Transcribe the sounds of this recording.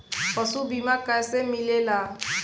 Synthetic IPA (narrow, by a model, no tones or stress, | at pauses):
pəsubʱimakəjsemilela